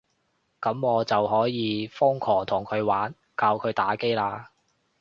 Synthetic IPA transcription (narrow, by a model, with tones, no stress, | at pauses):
kɐ˨˥mŋɔː˨˧t͡sɐ˨wɦɔː˨˥jiː˨˧fʊ˥ŋkʰɔː˨˩t̪ʰʊ˨˩ŋkʰɵ˨˧ɥwaː˨˥n | kaː˧wkʰɵ˨˧ɥt̪aː˨˥ke˥jlaː˧